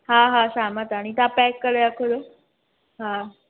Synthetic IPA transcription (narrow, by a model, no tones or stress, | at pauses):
ɦãɦãɕamat̪aɽ̃it̪apɛkːəɾeakʰolo | ɦã